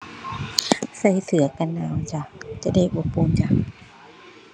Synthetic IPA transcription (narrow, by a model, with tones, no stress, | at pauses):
sa˧˩jsɯ˨˩˦ɐ˦ka˧nːaː˧˩˨wt͡ɕa˧˩t͡ɕa˧˩da˥˩jʔo˨˧˩pːuː˧˦nt͡ɕa˧˩